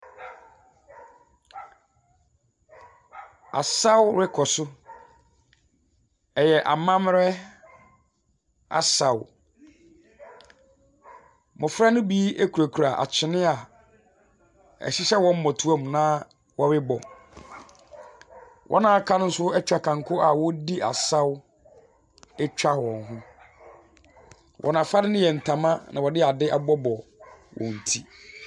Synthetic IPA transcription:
a̰˨sa˦wɾɪ˦kʰɔ˨sʊ˦ | ɛ˨jɛ˨ʔa̰˨mã˦m˦ɾɛ˦ | a̰˨sa˨w | mʊ̃˨fɾɛ˦nʊ̃˦bi˦ʔe˦kʰu˨ɾæ˨kʰu˨ɾa˨ʔa̰˨t͡ɕʰɪ˨nɪ̃˦a˨ | ɛ̰˨ɕɪ˦ɕɛ˦wɔ̃˦m̩˦mɔ̃˨tʰu˦a˦mũ˨nãː˦ | wɔ˦bɪ˦bɔ˨ | wʔɔ̰˦nãː˦a˦kʰã˦ñ˦n̩˦sʊ˦ɛ˦t͡ɕᶣa˨kʰã˨ŋ̩˨kʰʊ˦a˨wɔ˦di˦ʔa̰˨sa˦w | ɛ˦t͡ɕᶣa˦wɔ̃˨nɦʊ̃˦ | wʔɔ̰˨nã˨fa˦dɪ˦nʊ̃˦jɛ˨n̩˨tʰa˨mã˦nã˨wɔ˨dɪ˦a˨dɪ˦ʔa˨bɔ˦bɔ˨wɔ̰̃˨n̩˨tʰi˦

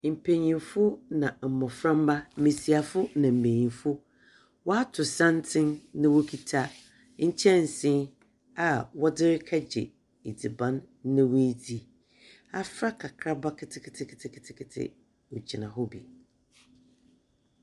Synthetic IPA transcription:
m̩˨pʰe˨ɲĩ˨fʊ˦nã˨m̩˨mɔ̃˨fɾã˦m˦ba˦mɪ̃˨si˨a˨fʊ˦nã˨m̩˨mẽ˨ɲĩ˨fʊ˦ | wɔ˦a˦tʰʊ˨sã˦ntʰɪ̃˦nːɪ̃˦wɔ˦kʰi˦˨tʰa˦ | ɲ̩˦t͡ɕʰɛ̃˦n̩˨sɪ̃˦ | a˨wɔ˦dɪ˦ɾɪ˦kʰa˦d͡ʑɪ̰˨ | i˨di˨bã˦nː˦ | ɪ̃˦wɔ˦di˨ | a˨fɾa˦kʰa˨kʰɾa˦ba˦kʰɪ˦tʰɪ˦kʰɪ˦tʰɪ˦kʰɪ̥˨˦tʰɪ˦kʰɪ̥˦tʰɪ˨kʰɪ˨tʰɪ̰˨ | ɔ˨d͡ʑi˨nã˨ɦɔ˦bi˨

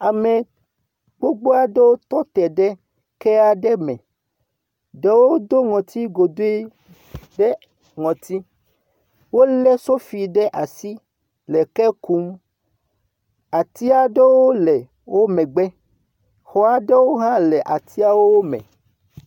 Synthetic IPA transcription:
a˨me˨ | ɡ͡bo˦ɡ͡bo˦a˨ɖe˦wo˦t̪ɔ˦t̪ɛ˨ɖɛ˦ | kɛ˦a˨ɖe˦mɛ̰̃˨ | ɖe˦wo˦d̪o˦ŋɔ̃˨t̪i˦ɡo˨d̪o˦e˦ | ɖe˦ | ŋɔ̃˨t̪i˦ | wo˦lɛ˦so˦fi˨ɖɛ˦ʔa˨si˦ | le˨kɛ˦ku˨˦m | a˨t̪i˦a˨ɖe˦wo˦lɛ˨ | wʔo˦mɛ̃˨ɡ͡bɛ˦ | xɔ˦a˨ɖe˦wo˦ɦã˦lɛ˨ʔa˨t̪i˦a˨wo˦wo˦mɛ̰̃˨

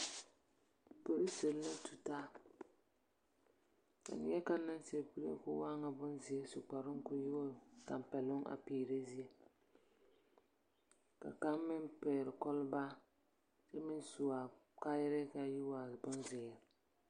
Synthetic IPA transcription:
po˨ɾi˦se˨lla˦tʰu˨ta˦ | ka̰˨nɪ̰˨˦ɲɛ˦ka˦nːa˦n˦se˨pu˦lḛ˦kʊ̰˦waː˦ŋa˨bʊ˦nzi˨e˦sʊ˨k͡pa˨ɾʊ˦ŋ˦kʊ˨ji˦wo˦ta˨mpɛ˨lʊ˦ŋʔa̰˨piː˨ɾe˦zi˦e˨ | ka̰˨ka˦mː˦ɪ˦npɛː˨ɾɪ˨kɔ˦lba˦ | t͡ʃɛ˦mɪ˦nsu˨a˨ | ka˦jɪ˦ɾɪ˦ka˨ji˦waː˨bʊ˦nzɪ˨ɪ˨

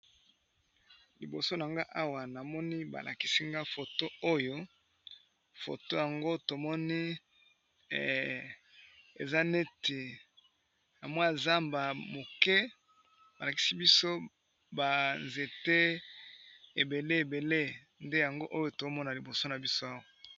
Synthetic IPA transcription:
lḭ˨bo˨so˦na˨ŋɡa˦ʔa˦wa˨na˨mɔ˦ni˦ba̰˨lʔa̰˨ki̥˦si˦ŋɡa˦fo˨to˦o˦jo˦ | fo̰˨to˦ja˨ŋɡo˦to˨mɔ˦ni˦˨ | ḛ˨za˦ne˦ti˨ | ja˨mwa˦ja˨za˦mba˨mo˨kɛ˦ | ba˨la˨ki̥˨si˦bi˦so˦ | ba˨nze˨te˦ | e˨be˨le˦e˨be˨le˦ | nde˦ja˨ŋɡo˦ʔo˦jo˦to˨˦mɔ˦na˨li˨bo˨so˦na˨bi˦so˦a˦wa˨

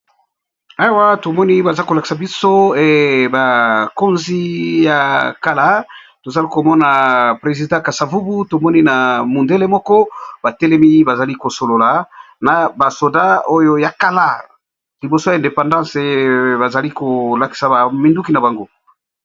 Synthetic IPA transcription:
a˦wa˦to˨mɔ˦ni˦ba˨za˦i˦ko˨la˨ki̥˨sa˨bi˦so˦ɛ˨ba˨ko˦nzi˦ja˨ka˨la˦to˨za˨li˦ko˨mɔ˦na˨pʁe˨zi˨dã˦ka˨sa˨vu˦bu˦to˨mɔ˦ni˦na˨mo˨nde˦le˦mɔ˦kɔ˦ba˨tɛ˦lɛ˦mi˦ba˨za˨li˦ko˨so˨lo˨la˨ | na˨ba˨so˨da˦o˦jo˦ja˨ka˦la˦ | li˨bo˨so˦ja˨ɛ̃˨nde˨pã˨ndã˦se˨ba˨za˨li˦ko˨la˨ki̥˨sa˨ba˨mi˨ndu˦ki˦na˨ba˨ŋɡo˦

